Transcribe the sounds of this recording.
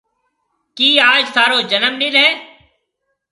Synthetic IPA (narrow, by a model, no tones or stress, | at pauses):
kiːaːd͡ʒsaːɾoːd͡ʒələmnĩːlɦẽː